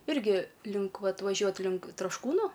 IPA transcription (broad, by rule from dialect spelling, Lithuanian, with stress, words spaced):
ˈɪrʲɡʲɪ lʲɪŋk ˈʋɐt ʋɐˈʒʲuɔt lʲɪŋk trɐʃˈkuːnʊ